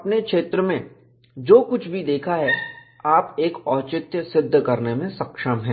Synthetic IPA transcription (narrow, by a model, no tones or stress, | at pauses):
ɐpnekʃeːt̪ɾəmẽ | d͡ʒoːkʊt͡ʃʰbʱid̪eːkʰaɦɛ | aːpeːkɔːt͡ʃɪt̪jəsɪd̪ʱːkɐɾnemẽsɐkʃəmɦɛ̃ː